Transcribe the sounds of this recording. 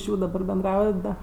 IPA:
ɪʃ ˈjuː dɐˈbɐr bʲɛnˈdrɐʊjɛt dɐ

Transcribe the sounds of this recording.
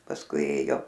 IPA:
pɐsˈkʊɪ ˈeːjoː

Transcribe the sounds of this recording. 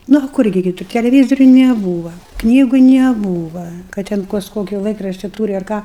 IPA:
ˈnʊ ɐ ˈkʊr ɡʲɪ kʲɪˈtʊr tʲɛlʲɛˈʋʲiːzoːrʲʊ nʲɛˈbuːʋɐ ˈknʲiːɡʊ nʲɛˈbuːʋɐ kɐt tʲɛn ˈkɐs ˈkoːkʲɪ ˈlˠɐɪkrɐʃʲtʲɪ ˈtuːrʲɪ ɐr ˈkɑː

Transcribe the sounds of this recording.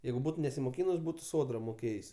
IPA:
ˈjɛɪɡʊ ˈbuːt nʲɛsʲɪmoːˈkʲiːnʊs ˈbuːtʊ ˈsoːdrɐ moːˈkʲeːjsʲ

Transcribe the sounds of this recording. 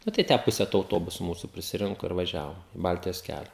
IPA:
nɐ tɐɪ ˈtʲæː ˈpʊsʲɛ toː ɐʊˈtoːbʊsʊ ˈmuːsʊ pʲrʲɪsʲɪˈrʲɪŋkʊ ɪr ʋɐˈʒʲæːʋoːm ɪ ˈbɐlʲtʲɪjoːs ˈkʲælʲɛ

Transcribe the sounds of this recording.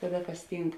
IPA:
ˈkɑːˌdɐ ˈkɐs ˈtʲiːŋk

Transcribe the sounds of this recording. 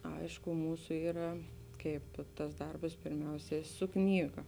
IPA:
ˈɐɪʃkʊ ˈmuːsʊ ˈiːrɐ ˈkɐɪp tɐs ˈdɐrbɐs pʲɪrʲˈmʲɛʊsʲɛ sʊ ˈknʲiːɡɐ

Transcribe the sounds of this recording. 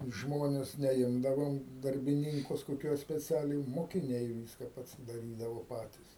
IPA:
ˈʒmoːnʲɛs nʲɛˈɪmdɐʋoːm dɐrʲbʲɪˈnʲɪŋkʊs koːˈkʲuɔs sʲpʲɛˈt͡sʲæːlʲɛɪ moːkʲɪˈnʲɛɪ ˈʋʲɪskɐ pɐsʲɪdɐˈrʲiːdɐʋoː ˈpɑːtʲɪs

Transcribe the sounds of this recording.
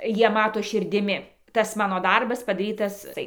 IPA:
ˈjiɛ ˈmɑːtoː ʃʲɪrʲdʲɪˈmʲɪ ˈtɐs ˈmɑːnoː ˈdɐrbɐs pɐdɐˈrʲiːtɐs ˈtɐɪ

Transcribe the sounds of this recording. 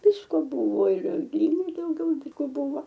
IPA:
ˈʋʲɪskoː ˈbʊʋoː ɪr ˈɡrʲiːbɐɪ dɐʊˈɡʲɛʊ dʲiːˈɡoːˈbʊʋoː

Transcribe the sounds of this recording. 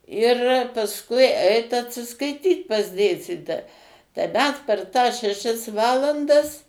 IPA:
ɪr pɐsˈkʊɪ ˈɛɪt ɐtʲsʲɪskɐɪˈtʲiːt pɐs ˈdʲeːsʲtʲiːtoːjɛ tɐɪ ˈmʲɛs pʲɛr tɑːs ʃʲɛˈʃʲɛs ˈʋɑːlˠɐndɐs

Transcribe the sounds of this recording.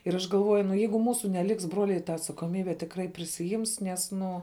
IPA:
ɪr ˈɐʃ ɡɐlˠˈʋuɔjʊ nʊ ˈjɛɪɡʊ ˈmuːsʊ nʲɛˈlʲɪks ˈbruɔlʲɛɪ tɐ ɐtsɐkoːˈmʲiːbʲæː tʲɪkˈrɐɪ pʲrʲɪsʲɪˈjɪms ˈnʲɛs ˈnʊ

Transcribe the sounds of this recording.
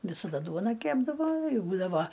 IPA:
ʋʲɪsɐˈdɐ ˈduɔnɐ ˈkʲæːbdɐʋoː ˈbuːdɐʋɐ

